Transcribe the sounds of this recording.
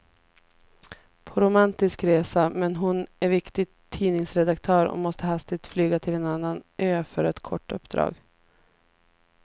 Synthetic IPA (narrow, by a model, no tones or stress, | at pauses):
pʰɔɾʊmant̪ɪskɾeːsamɛnɦʊnæɾvɪkt̪ɪt̪ʰːiːnɪŋsɾɛd̪akt̪ʰœːɾɔ̰mɔst̪əɦast̪ɪt̪flyːɡat̪ʰɪlɛːnanːanʔøːfœɾɛt̪kʰɔʈːɵ̰pːd̪ɾɑ̰ːɡ